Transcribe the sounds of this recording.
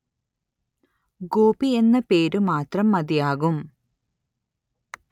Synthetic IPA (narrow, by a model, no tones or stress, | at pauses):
ɡoːbie̞nːɐpe̞ːɾumaːt̪rɐmːɐd̪ijaːɣum